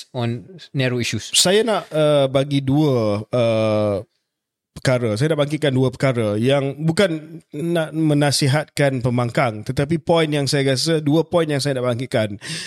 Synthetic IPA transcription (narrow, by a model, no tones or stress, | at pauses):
ɔ̃nːɛɾoiʃussajanaʔəbaɡiduəə | pəkaɾəsajanaʔbaŋkit̪̚kanduəpəkaɾəjaŋbukanːaʔmə̃nãsiɦat̪̚kanpəmaŋkaŋt̪ət̪ap̬ipɔjnjaŋsajaɾias̬əduəpɔjnjaŋsajanaʔbaŋkiʔ̪̚kan